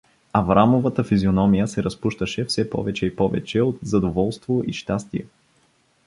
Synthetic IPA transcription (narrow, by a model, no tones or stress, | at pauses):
ɐvɾamovət̪əfizionɔmijəsɛɾɐspuʃt̪əʃɛfsɛpɔ̰vɛt͡ʃɛipɔvɛ̰t͡ʃɛot̪zɐd̪ovɔlˠst̪voʔiʃt̪ast̪iɛ̰